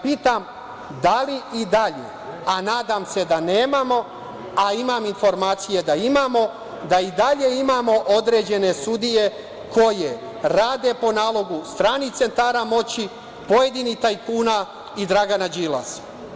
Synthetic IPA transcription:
piːt̪am | d̪aliid̪aʎe̞̰ | anaːd̪amse̞d̪aneːmamo̞ | aimaminfo̞ɾmaːt̪sije̞d̪aimamo̞ | d̪aid̪aʎe̞imaːmo̞ʔod̪ɾe̞ːd͡ʑe̞ne̞sud̪ije̞ | ko̞je̞ | ɾaːd̪e̞po̞naːlˠo̞ɡust̪ɾaːnit̪e̞nt̪aːɾamo̞t͡ɕi | po̞je̞d̪init̪ajipuːna | id̪ɾaɡanad͡ʑiːla̰s

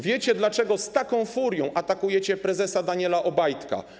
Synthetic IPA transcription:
vʲjet͡ɕɛd̪lat͡ʂɛɡɔst̪akɔ̃w̃fuɾʲjɔ̃w̃ʔat̪akujɛt͡ɕɛpɾɛzɛsad̪aɲɛlaʔɔbajt̪ka̰

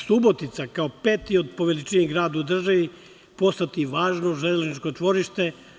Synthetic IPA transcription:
subot̪it̪sakaopeːt̪iod̪̚po̞ʋelit͡ʃiniɡɾaːd̪uud̪r̩ʒaʋi | po̞st̪at̪iʋaːʒnoʒellʒnit͡ʃkot͡ʂʋo̞ɾiʃt̪e

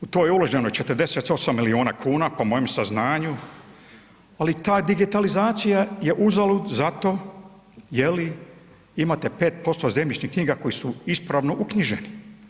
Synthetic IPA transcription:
ut̪ojeuloʒɲenot͡ʃe̞t̪ərd̪eset̪o̞samːilio̞ːnakʰuːnapomo̞jemsaznaːɲu | alit̪aːd̪iɡit̪alizaːt̪sijaje̞ʔuzalˠud̪zat̪o̞ː | jeli | imaːt̪epe̞ːt̪̚po̞st̪ozemʲlʲit͡ʃɲihkɲiːɡako̞jisuispɾaʋno̞ʔukɲiʒeni

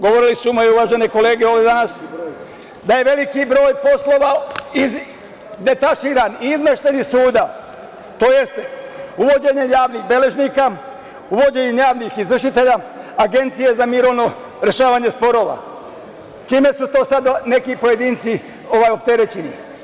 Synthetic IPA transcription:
ɡoʋoɾilisumojeuʋaʒe̞neko̞le̞ːɡeo̞ːʋed̪anas | d̪aje̞ʋe̞likibɾo̞ːjpo̞slˠo̞ʋaiz | d̪e̞t̪aʃiːɾaniizmeʃt̪enisuːd̪a | t̪o̞ːje̞st̪uʋo̞d͡ʑe̞ɲe̞jaːʋnixbe̞le̞ʒniːka | uʋo̞d͡ʑe̞ɲejaːʋnixizʋr̩ʃit̪e̞ʎaːɡe̞nt̪sije̞zamiːɾo̞ʋno̞ | ɾe̞ʃaːʋaɲe̞spo̞ɾo̞ːʋa̰ | t͡ʃiːme̞sut̪o̞ːsad̪ne̞kipo̞je̞d̪iːnt̪si | o̞ʋaːjo̞pt̪e̞ɾet͡ɕeni

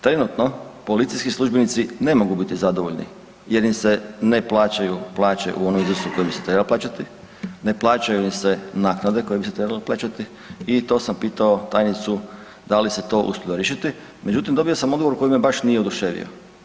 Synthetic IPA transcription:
t̪ɾe̞nut̪no̞po̞lit̪sijskislˠuʒbenit̪sine̞mo̞ɡubit̪izad̪oʋoʎnḭ | je̞ɾimsene̞plˠaːt͡ɕajuplˠaːt͡ɕe̞̰ʔuo̞nomizɾrsuko̞jebiset̪ɾebaloplaːt͡ɕat̪i | ne̞plˠaːt͡ɕajuimse̞naːknad̪e̞ko̞jebiset̪ɾe̞baloplˠaːt͡ɕat̪i | it̪o̞ːsampiːt̪ao̞t̪ajnit̪su | d̪alise̞t̪o̞ʔṵsuʎoɾiʃit̪i | me̞d͡ʑut̪imd̪o̞bio̞samo̞d̪ɡoʋoɾuko̞jimebaʃnijeod̪uʃeʋḭo̰

